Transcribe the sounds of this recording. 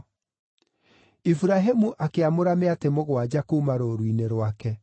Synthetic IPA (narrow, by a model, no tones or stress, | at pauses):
ifuɾaɦemuʔakeamoɾameatemoɣwad͡ʑakomaɾoɾwineɾwakɛ